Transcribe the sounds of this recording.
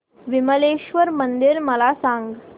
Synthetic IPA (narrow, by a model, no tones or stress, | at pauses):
ʋiməleɕʋəɾmənd̪iɾməlasãŋɡ